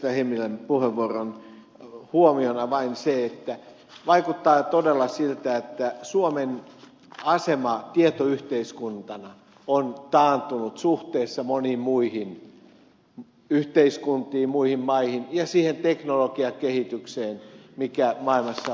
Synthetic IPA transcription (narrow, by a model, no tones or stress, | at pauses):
æhemːilempuheʋːuoron | huomionɑʋɑinseet̪ːæ | ʋɑikut̪ːɑːt̪odelːɑsilt̪æet̪ːæsuomen | ɑsemɑt̪iet̪oyht̪eiskunt̪ɑnɑ | ont̪ɑːnt̪unut̪suht̪eːsːɑmonimmuihin | yht̪eiskunt̪iːmmuihimmɑihinjɑsiːhent̪eknolokiɑkehit̪ykseːnmikæmɑilmɑsːɑ